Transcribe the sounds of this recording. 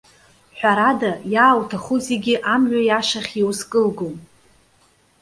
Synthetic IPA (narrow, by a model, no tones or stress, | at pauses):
ħʷᶣaɾadajaːwtʰaχuzeɡʲɪʔamɥʷᶣajaʃaχʲjewuskʼɨlɡom